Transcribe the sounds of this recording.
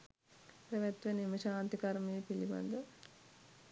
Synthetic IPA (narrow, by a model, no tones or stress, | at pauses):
pɾɐʋɐt̪ʋenimɐʃaːnt̪ikɐɾmeːpilibɐ̰nd̪ɐ